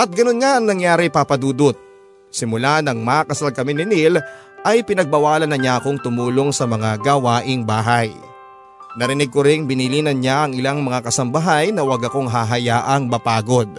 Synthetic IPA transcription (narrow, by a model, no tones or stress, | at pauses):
ʔɐt̪̚ɡɐno̞nŋaʔɐŋnɐŋjaːɾɪpaːpɐd̪uːd̪ot̪̚ | sɪmʊlanɐŋmakɐsalkɐmɪnɪnil | ʔɐjpɪnɐɡ̚bɐwaːlɐnɐɲaʔɐko̞ŋt̪ʊmuːlo̞ŋsɐmɐŋaɡɐwaːʔɪŋbaːɦɐj | nɐɾɪnɪɡ̚koɾɪŋbɪniliːnɐnɲaʔɐŋɪlaŋmɐŋakɐsɐmbɐɦajnɐwɐɡɐko̞ŋɦaːɦɐjaːʔɐŋbɐpaːɡo̞d̪̚